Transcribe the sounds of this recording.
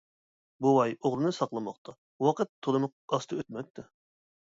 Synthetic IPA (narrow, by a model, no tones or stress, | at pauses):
buwɑjoʁɾɨnɨsɑqlˠɑmɑqt̪ʰɑ | wɑqət̪ʰːolˠɨmʊq̚ɑst̪ʰɨøt̪mɛk̚ʲt̪ɪ